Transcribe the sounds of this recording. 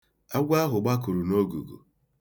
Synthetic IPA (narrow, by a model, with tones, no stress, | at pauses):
a˦ɡʷa˦ɦʊ˨ɡ͡ba˦ku˨ɾu˨no˦ɡṵ˨ɡṵ˨